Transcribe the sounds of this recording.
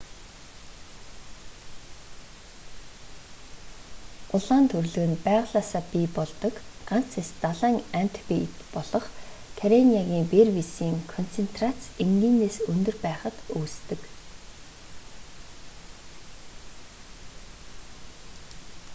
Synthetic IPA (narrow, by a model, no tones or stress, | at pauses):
ʊɮaːnt̪ʰɵrɮɵ̆ɣɘ̆npæːʁʊɮaːsaːpipɔɮt̪ɞ̆kɢan̥t͡sest̪aɮaːŋæn̥t̪ʰpiit̪pɔɮɞ̆χkʰaɾeniaɣʲiːmperwisiːŋkʰɔn̥t͡sʰen̥t̪rat͡siŋɡiːneːsɵnd̪ɵ̆rpæːχə̆t̪oːst̪ɘ̆k